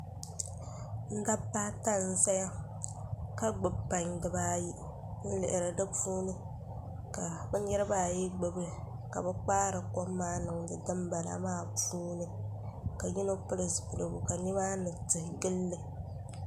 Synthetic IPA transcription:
n̩˦da˦pːaː˦ta˦n̩˦za˦ja˦ | ka˦ɡ͡bɨ˨bpːa˨ɲdɨ˨baː˦ji˦ | n̩˦lɪ̰˨ʔɪ˨ɾɨ˨dɨ˦puː˦nɨ˦ | ka˨bɛ˦ɲɛ˦ɾɨ˦baː˦˨ji˦ɡ͡bɨ˨bɨ˦ | ka˨bɛ˦k͡paː˦ɾɨ˨ko˦mːaː˦nɨ˨ŋdɨ˨dɨ˦mba˨la̰˨maː˦˨puː˦nɨ˦ | ka˨ji˦no˦pɨ˦lɨ˨sbɨ˨lɨ˨bu˨ka˨ni˦ma˦nɨ˨tɨ˨hɡɨ˦lːɨ˨

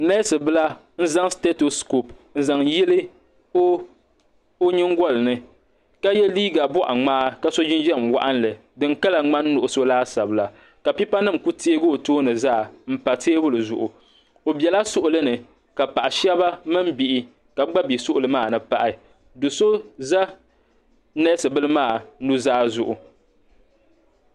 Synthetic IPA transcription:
na˦sɨ˨bɨ˦la˦ | n̩˦za˦ŋste˦to˨sko˨pn̩˦za˨ŋji˦lɨ˦ | o˦ | o˦ɲɨ˦ŋ˦ɡɔ˦lɨ˨nɨ˦ | ka˦jɛ˦liː˦ɡa˨bɔ˦ʔa̰˨ŋ͡maː˦ka˦so˦d͡ʒɪ˦nd͡ʒɛ˦˨mwa̰˦ʔa˦n˦lɨ˨ | dɨ˨ŋka˦la˨ŋ͡ma˦nː˦ʊ˨ʔʊ˨so˦laː˦sa˨bɨ˨la˨ | ka˨pi˦pa˦nɨ˦˨m˨ku˦te˦ɡo˦˨toː˦nɨ˨zaː˦˨m̩˦pa˨teː˦bʊ˦lɨ˨zʊ̰˨ʔʊ˨ | o˨bɛ˨la˦sʊ˦ʔʊ˨lɨ˦nɨ˨ | ka˨pa˨ʔa˨ʃɛ˦ba˦mɨ˦m˦bi˨ʔɪ˦ | ka˨˦ɡ͡ba˦bi˨sʊ˦ʔʊ˨lɨ˦maː˦˨nɨ˨pa˨ʔa˨ | do˨so˦za˦ | nɛ˦sɨ˨bɨ˦lɨ˦maː˦˨nu˦zaː˦zʊ˨ʔʊ˨

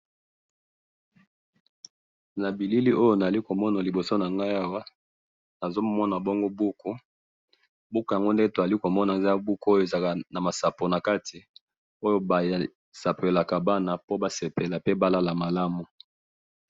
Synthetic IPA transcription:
na˨bi˨li˦li˦ʔo˦jo˦na˨a˨li˦ko˨mɔ˦na˨li˨bo˨so˦na˨ŋɡa˦ja˦wa˦ | na˨zo˦mɔ˦na˨bɔ˦ŋɡo˦bu˦ku˦ | bu˦kja˨ŋɡo˦nde˦to˨a˨li˦ko˨mɔ˦na˨e˨za˦bu˦ku˦o˦je˨za˨ka˨na˨ma˨sa˨po˨na˨ka˦tʰi˨ | o˦jo˦ba˨ja˨ | sa˨pe˨la˨ka˨ba˦na˨po˦ba˦se˨pe˨la˨pe˦ba˦la˦la˨ma˨la˦mu˨

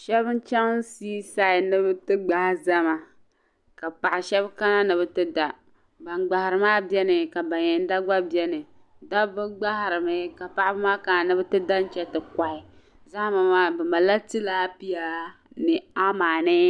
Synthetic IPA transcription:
ʃɛ˦βɨ˦n˦t͡ʃɛ˦ŋ˦si˦sa˦˨ɪ˨nɨ˦bɨ˦tɨ˦ɡ͡ba˦hza˦ma˨ | ka˨pa˨ʔɪ˨ʃɛ˦bka˦na˦nɨ˨βɨ˦tɨ˦da˨ | ba˨nɡ͡ba˨ha˨ɾɨ˨maː˦bɛ˦nɨ˨ka˨ba˨ɲɛ˨n˦da˦ɡ͡ba˦bjɛ˦nɨ˨ | da˦bɨ˦ɡ͡ba˦ha˨ɾɨ˨mɨ˦ka˨pa˨ʔɪ˦bɨ˦maː˦ka˦na˨nɨ˦bɨ˦tɨ˦da˦n˦t͡ʃɛ˦tɨ˨ka˨ʔɪ˨ | za˦hma˨maː˦bɛ˨ma˨la˦tɨ˦la˦pi˦ja˦ | nɨ˨a˦maː˨nɨ˦

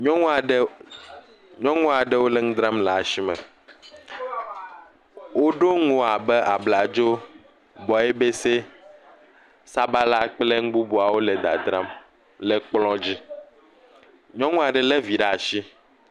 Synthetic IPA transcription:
ɲɔ̃˦ŋ˦˨ɖ | ɲɔ̃˦ŋũ˦a˨ɖɛ˦wo˦lɛ˦ŋ̩˦d̪ɾã˦mla˨a˨si˦mɛ̰˨ | wo˦ɖo˦ŋũ˨a˨bɛ˦ʔa˨bla˨d͡ʒo˦ | bɔ˨ɛ˦be˦se˦ | sa˦ba˦la˦k͡ple˦ŋ̩˦ɡ͡bu˦bo˨a˨wo˦lɛ˨d̪a̰˨d̪ɾa˦m | lɛ˨k͡plɔ̃˦d͡ʑi˦ | ɲɔ̃˦ŋũ˦a˨ɖɛ˨lɛ˦vi˨ɖa˦˨ʃi˦

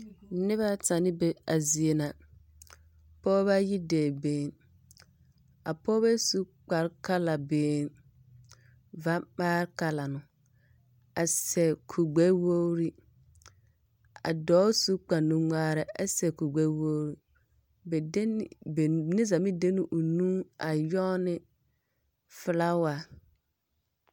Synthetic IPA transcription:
nɪ˦βa˦ta˨nɪ˦be˨a˨zi˨e˨na˨ | pɔː˦ba˦ji˦deː˨beː˦n | a̰˨pɔː˦ba˦su˦k͡pa˨ɾka˦la˨beː˨˦n | va˦k͡paː˦ɾka˦la˨nʊ˨ | a˨sɛ˨kʰu˨ɡ͡bɛ˦wo˦ɾi˦ | a̰˨dɔː˨˦su˦k͡pa˨nũ˨ŋaː˦ɾɪ˨a˨sɛ˨ku˨ɡ͡bɛ˦wo˦ɾi˦ | bɛ˨˦bnɪ˦za˨mɪ˦de˦nu˨ʔu˨nũ˦ŋa˨jɔ˦nɪ˦ | fɪ˦la˦wa˨

